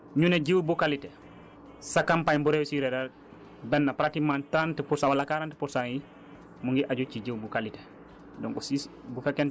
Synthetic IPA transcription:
ɲuneɟiwbukalite | sakampaɲbuɾewusiɾedaɾ | bɛnːapɾatimantɾantəpuɾsãwalːakaɾantəpuɾsaŋji | muŋɡiʔaɟut͡ʃiɟiwbukalite̥ | dɔŋkɔsisbufɛkːɛn

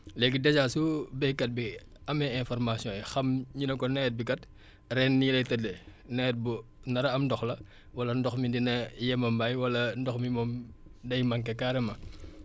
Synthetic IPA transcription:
lɛɡidɛd͡ʒasubɛhkɐt̚bi | ɐmɛɛ̃nfɔrmasjɔ̃ɛxɐmɲinɐkɔnɛt̚bikɐt | rɛnːilɐjtɐdɛnɛt̚bunɐɾɐɐmdɔxlɐ | wɐlɐndɔxmidinɐjɛmɐmbajwɐlɐndɔxmimɔmdɐjmɐŋkɐkaɾɛmɐ

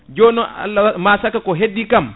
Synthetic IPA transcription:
d͡ʒɔːnɔa̰lːamasakakɔɦedːikam

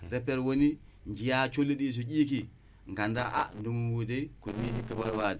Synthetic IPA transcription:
ɾepːeɾwoni | ɲd͡ʒijat͡ʃolːiɗiːs̬uɟiːk̬i | ŋɡandaʔa̰ndumuwudekumisikabaɾwadi

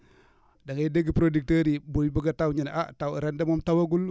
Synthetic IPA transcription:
daŋadeɡipɾodik̚teɾibujbuɡatawɲinʔa̰taɾendemomtawaɡul

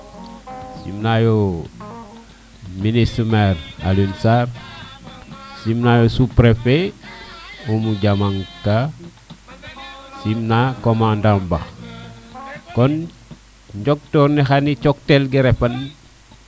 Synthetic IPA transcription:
sḭmnajo | minisumeɾa̰linsaɾ | simnajosupɾefe | umuɟamaŋka | simnakomãndãmbax | kɔn | ɲɟok̚tɔɾnixanit͡ʃok̚telɡiɾefan

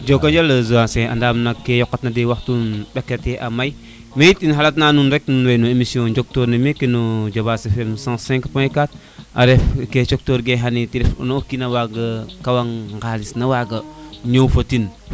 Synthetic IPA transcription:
d͡ʒokaɲd͡ʒalazuasẽʔa̰ndamnakːejokːatnadewaktunɗakːeteʔamaj | mejitinɦalat̬nanunɾeknunwejnuemisiõd͡ʒok̚toɾnemekːinud͡ʒobasefemsãsɛ̃ŋkpõjkat̚ | ʔa̰ɾefket͡ʃok̚toɾɡeɦanitiɾifo̰nokinawaɡakawaŋŋɡalisnawaɡaɲowfotin

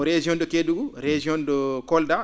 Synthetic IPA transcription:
ɾed͡ʒiɔndɔkeduɡuɾed͡ʒiɔndɔkɔlda

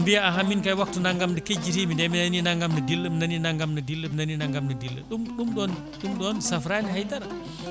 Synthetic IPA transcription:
ndijaaɦaminkɐjwak̚tunaŋɡamdəked͡ʒiɾimindɛminɐninaŋɡamnɐdilːəmnɐninaŋɡamnɐdilːəmnɐninaŋɡamnɐdilːə̰ɗumɗumdɔːn | ɗumdɔːnsɐfɾanihajtɐɾɐ

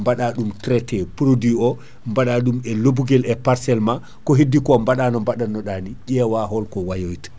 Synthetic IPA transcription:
mbaɗaɗumtɾɛtɛpɾodiɔ | mbaɗaɗumɛlobuɡɛlɛpaɾsɛlma | kɔɦedːikɔmbaɗanɔmbaɗanːɔɗaniʄɛwaɦɔlkɔwajojtḁ

